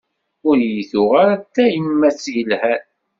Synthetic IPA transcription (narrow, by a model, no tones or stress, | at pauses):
ʊɾjiθʊʁaɾæt̪ːæimːæt͡sːjəlhæn